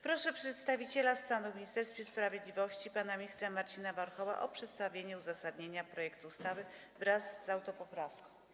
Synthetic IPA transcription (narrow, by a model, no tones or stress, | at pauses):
pɾɔʂɛpʂɛt̪st̪avʲit͡ɕɛlast̪anumʲiɲist̪ɛɾst̪fʲjespɾavʲjed̪lʲivɔɕt͡ɕipanamʲɲist̪ɾamaɾt͡ɕinavaɾxɔva̰ʔɔpʂɛt̪st̪avʲjeɲɛuzasad̪ɲeɲapɾɔjɛkt̪uːst̪avɘ | vɾazːawt̪ɔpɔpɾafkɔ̃w